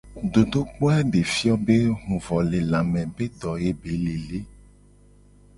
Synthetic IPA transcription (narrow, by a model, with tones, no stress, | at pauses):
ɖo˨do˦k͡po˦ɛ˦ɖe˨fi˦ɔ˦be˦ɦũ˨vɔ˨le˨lã˨mɛ̃˨be˦d̪ɔ˨je˦be˨˦le˨le˦